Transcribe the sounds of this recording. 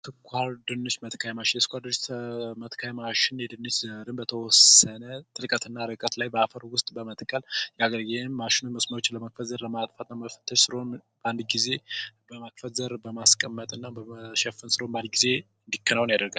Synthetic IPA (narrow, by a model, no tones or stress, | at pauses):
t̪ʰɨkʷʰːaɾd̪ɨnːɨt͡ʃmət̪kʰajmaʃɪnsɨ̥kʷʰaɾd̪ɨnt͡ʃmət̪kʰajmaʃɪnːed̪ɨnːɨt͡ʃzəɾɨnbət̪ʰəwɔsːənət̪ʼɨɾkʼət̪ɨnːaɾɨkʼət̪lajbəafəɾwʊst̪ʼbəmət̪kʰʼːəljɛaɡəɾɡenːaʃɪnunməsmawot͡ʃːnləmak̚fət̪zəɾləmat̪ʼfat̪ʼnaməfə̥t̪ʰːəʃsɨɾonband̪ɡize̞bəmakfət̪zəɾbəmaskʼəmːət̪ʼɨnːabəəʃɛfɨnsɨɾonband̪ɡize̞ | ɨnd̪ikʰːənawnjad̪əɾɡal